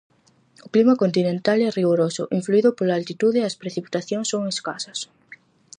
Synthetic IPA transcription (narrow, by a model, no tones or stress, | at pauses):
ʊklimɐkont̪inẽnt̪alɛriɣoɾosʊ̰ʔiɱfluiðʊpolaalt̪it̪uðeɐspɾeθipi̥t̪aθjoŋsːoŋeskasɐs